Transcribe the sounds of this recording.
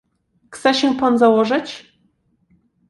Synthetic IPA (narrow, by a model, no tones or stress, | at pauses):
xt̪sɛɕɛpanzawɔʐɘt͡ɕ